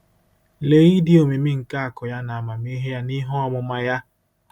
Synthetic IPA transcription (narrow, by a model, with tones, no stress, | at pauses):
le˨˦ɣi˦dɪ˦o˨mi˨mi˦ŋ̩˨ka˦a˨kɔ˨ja˦na˨a˨ma˨m˦i˦ɦe˦ja˦ni˦ɦɔ˦ɔ˨mʊ˨ma˦ja˦